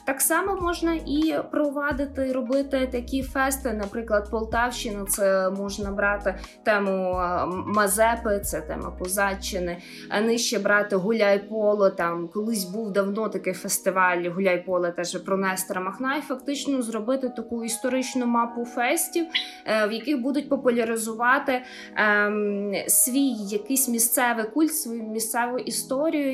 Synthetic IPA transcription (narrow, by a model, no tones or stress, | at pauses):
t̪ɑksɑmɔmɔʒnɐʔipɾɔʋɑd̪ɪt̪ɪɾɔbɪt̪ɪt̪ɐkʲifɛst̪ɪnɐpɾɪklˠɐd̪̚pɔlˠt̪ɑwʃɪnʊt̪sɛmɔʒnɐbɾɑt̪ɪ | t̪ɛmʊ | mɐzɛpɪt̪sɛt̪ɛ̰mɐ̰pɔzɑt͡ʃːɪnɪ | ɐ̰nɪʃt͡ʃɛbɾɑt̪ɪɦʊlʲajpɔlˠɔt̪ɑmkɔlˠɪsʲbuwd̪ɐwnɔt̪ɐkɪjfest̪ɪʋɑlʲɦʊlʲajpɔlˠɐt̪ɛʒɛpɾɔnɛst̪ɾɐmɐxnɑjfɐkt̪ɪt͡ʃnɔzrɔbɪt̪ɪt̪ɐkuist̪ɔɾɪt͡ʃnʊmɑpʊfɛsʲtʲiw | wjɐkɪɣbud̪ʊt̚ʲpɔpʊlʲɐɾɪzʊʋɑt̪ɪ | sʲʋʲijːɐkɪsʲmʲist̪sɛʋɪkulʲt̪sʋɔjumʲist̪sɛʋʊʔist̪ɔɾʲijʊ